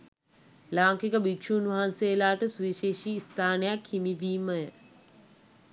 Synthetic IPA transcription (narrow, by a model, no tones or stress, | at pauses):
laːŋkikəbikʃuːnʋaɦanseːlaːʈəsuʋiʃeːʃiːst̪ʰaːnəjakhimiʋiːməjə